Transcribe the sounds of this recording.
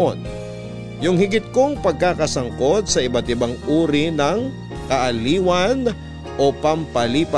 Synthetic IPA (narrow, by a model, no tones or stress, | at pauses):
on | jʊŋhɪɡɪt̪̚ko̞ŋpɐɡ̚kakɐsɐŋko̞d̪̚sɐʔɪbɐt̪ɪbaŋʔuːɾinɐŋ | kɐʔɐliːwɐn | ʔo̞pɐmpɐliːpɐ